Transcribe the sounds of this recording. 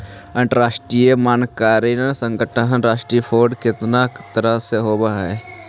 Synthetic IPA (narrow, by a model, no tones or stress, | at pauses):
ə̃ɳʈɾaːʃʈɾijemaːnkaːɾinesə̃ŋɡəʈʰəɦnɾaːʃʈɾipʰoːɾɖkɪt̪nakt̪əɾəseɦoːbaɦɛː